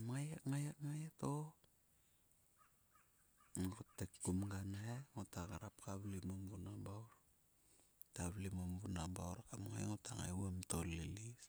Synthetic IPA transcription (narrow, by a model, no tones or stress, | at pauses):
mŋajakŋajakŋajato | ŋɡotːekːumɡanaeŋotaɡaɾapkaβlimombunabawɾ | taβlimombunabawɾakamŋa̰jŋotaŋa̰jwamtolilis